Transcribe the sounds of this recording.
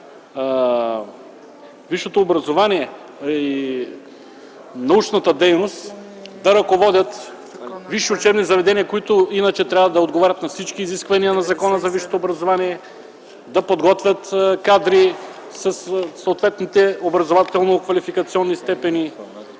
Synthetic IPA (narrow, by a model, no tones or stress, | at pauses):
viʃot̪oːbɾɐzovaniɛ | i | nɐut͡ʃnɐt̪ɐd̪ɛjnost̪ | d̪ɐɾɐkovɔd̪ʲɐt̪ | viʃɛʊt͡ʃɛbnizɐvɛd̪ɛnijɐkoit̪ʊinɐt͡ʃɛt̪ɾʲavɐd̪ɐod̪ɡovaɾʲɐt̪nɐfsit͡ʃkiːziskvɐniɐnɐzɐkɔnəzɐviʃo̥t̪oobɾɐzovaniɛ | d̪ɐpod̪ɡɔt̪vʲjɐt̪kad̪ɾi | sɐsːoːt̪vɛt̪nit̪ɛobɾɐzovat̪ɛlˠnokvɐlifikɐt̪siɔnːist̪ɛpɛni